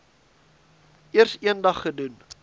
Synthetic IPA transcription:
ʔiərsiəndɐχːədun

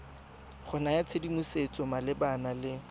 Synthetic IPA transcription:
χʊnajat͡sʰedimuset͡sʼɔmalɪbanalɪ

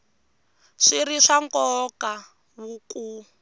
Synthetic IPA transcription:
ʂiɾiʂaŋkɔka | βuku

